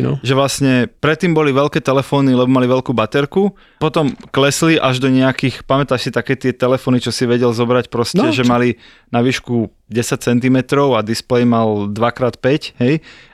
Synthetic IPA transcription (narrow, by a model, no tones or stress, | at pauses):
nɔ̰ʒɛʋlasɲɛpɾɛt̪ːiːmbɔliʋɛʎkɛːt̪ɛlɛfɔːnilɛbɔmaliʋɛlkuːbat̪ɛɾku | pɔt̪ɔmklɛsliʔaʒd̪ɔɲɛakiːxpamɛt̪aːʃsit̪akɛːt̪ɪɛt̪ɛlɛfɔːnit͡ʃɔsiʋɛɟɛlzɔbɾacpɾɔscɛʒɛmali | naʋiːʃku | ɟɛsac̚t͡sɛnt̪̬imɛt̪ɾɔʊad̪isplɛjmald̪ʋakɾaːt̪pɛcɦɛj